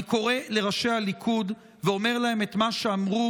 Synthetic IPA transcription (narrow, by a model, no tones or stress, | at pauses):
ko̞ʁe̞le̞ʁaʃe̞halikʰud | veo̞me̞ʁlahe̞met̪maʃe̞amʁu